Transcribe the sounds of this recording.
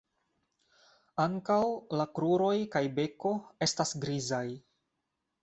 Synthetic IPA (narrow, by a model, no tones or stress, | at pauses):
aŋkawlakɾuɾo̞jkajbe̞ko̞e̞stasɡɾizaj